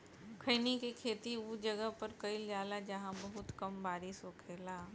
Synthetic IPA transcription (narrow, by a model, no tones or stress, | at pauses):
kʰəɪnikikʰeːt̪iud͡ʒɐɡəɦpɐɾkɐilaːlad͡ʒɐɦãbɐɦʊt̪kɐmbaːɾɪsoːkʰeːlaː